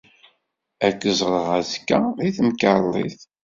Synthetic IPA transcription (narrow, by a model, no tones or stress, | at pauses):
ækːəzˤʁɾˤəʁæðkːæðiθəmkɑlˤːḭθ